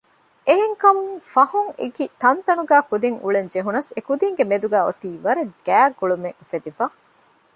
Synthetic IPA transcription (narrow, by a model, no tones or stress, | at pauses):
ʔeɦeŋkɐmuŋfɐhuŋḛɡit̪ɐnt̪ɐnuɡæːkud̪iŋṵɭend͡ʒeɦunɐsekud̪iŋɡemed̪uɡæːo̰t̪iːʋɐɾɐɡ̥æːɡuɭumeŋfed̪ifɐ